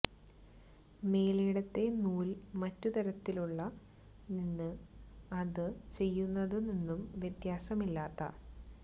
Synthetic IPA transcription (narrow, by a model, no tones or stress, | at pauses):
me̞ːlejɽɐt̪ːe̞nuːlmɐtːut̪ɐɾɐt̪ːiluɭːɐ | ninːɨɐðɨt͡ɕe̞jːunːɐðɨninːumʋjet̪jaːsɐmilːaːt̪ːɐ̰